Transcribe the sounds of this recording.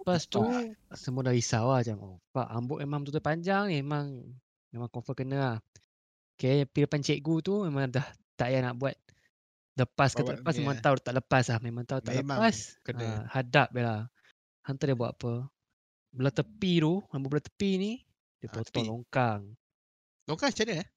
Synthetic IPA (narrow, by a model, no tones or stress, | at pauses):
past̪usəmuadaɾisawaht͡ʃamofa̰ʔa̰mbʊʔmemaŋt̪ut̪upaɲd͡ʒaŋiemaŋ | memaŋkofəkənəah | kajaəpiləpant͡ʃɛʔ̚ɡut̪umemaŋdah | t̪aʔjanaʔbuat̪̚ | ləpaskat̪aʔləəpasmemãŋt̪aut̪aʔləpaslahmemaŋt̪aut̪aʔləppaskəəhadap̚bela | hant̪adiəbuat̪apə | bəlat̪əpiɾuambʊʔbəlat̪ə̥pini | diəpot̪ɔʔlɔŋkaŋ | loŋkat͡ʃanəa